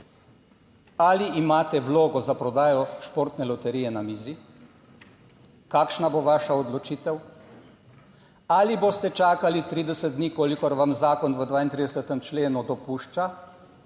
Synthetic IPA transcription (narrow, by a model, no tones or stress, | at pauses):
aliʔimaːt̪ɛʋloːɡɔzapɾɔd̪aːjɔʃpoːɾt̪nɛlɔt̪ɛɾiːjɛnamiːzi | kaːkʃnaboːʋaːʃaɔd̪lɔt͡ʃiːt̪ɛw | aliboːst̪ɛt͡ʃaːkalit̪ɾiːd̪ɛsət̪̚d̪nikoːlikɔɾʋamzaːkɔnʋəd̪ʋaːint̪ɾid̪ɛsət̪ɛmt͡ʃleːnud̪ɔpuʃt͡ʃa